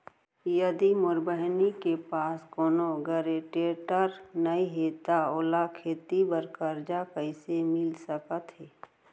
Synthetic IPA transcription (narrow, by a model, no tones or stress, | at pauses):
jəd̪imʊɾbəɦnikepaːskoːnoɡəɾeʈeːʈəɾnəiɦeːt̪aoːlakʰeːt̪ibəɾkəɾd͡ʒakəɪsemɪlsəkət̪ɦɛː